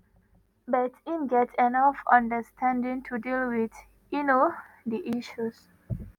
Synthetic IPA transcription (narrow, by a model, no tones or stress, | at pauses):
bɛtĩnɡɛtʰɛnʌfʌ̃ndəstʰæ̃ndĩŋtʰudilwid | ino | diʔiʃus